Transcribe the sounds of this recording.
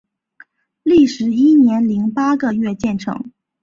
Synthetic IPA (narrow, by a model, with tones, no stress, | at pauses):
li˥˩ʂɻ̩˧˥i˥njɛ˧˥nli˧˥ŋpa˥ɡə˧ɥɛ˥˧t͡ɕjɛ˥˩nʈ͡ʂʰɤ̰˧˥ŋ